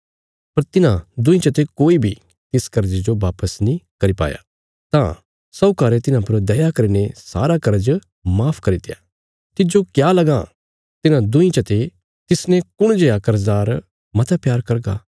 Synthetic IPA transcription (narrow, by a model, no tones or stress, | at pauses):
pɐɾt̪ɪnãd̪ʊ̃ĩt͡ʃɐt̪ekoːibʱi | t̪ɪskɐɾd͡ʒid͡ʒoʋaːpəsnĩkɐɾipa̰ːja̰ | t̪ã̰ | sɐːkaːɾet̪ɪnãpɐɾd̪ɐjakɐɾinesa̰ːɾakɐɾd͡ʒ | maːpʰkɐɾit̪ɪja | t̪ɪd͡ʒokjaːlɐɡã | t̪ɪnãd̪ʊ̃ĩt͡ʃɐt̪e | t̪ɪsnɛ̃kʊɽ̃d͡ʒejakɐɾzaːɾ | mɐt̪ʰapjaːɾkɐɾɡa̰ː